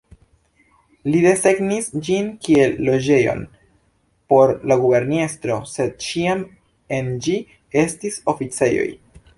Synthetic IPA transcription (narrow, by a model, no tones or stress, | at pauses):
lide̞se̞ɡnisd͡ʒinkie̞lːo̞d͡ʒe̞jo̞̰n | po̞ɾlaɡube̞ɾnestɾo̞se̞d̚t͡ʃiam | e̞nd͡ʒi | e̞stiso̞fit͡se̞jo̞̰j